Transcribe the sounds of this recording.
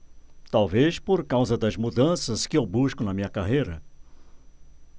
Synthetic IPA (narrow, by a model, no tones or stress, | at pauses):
t̪awvespoɾkawzɐd̪ɐzmud̪ɐ̃sɐskɪewbuskʊnɐmĩɲɐkaɦejɾɐ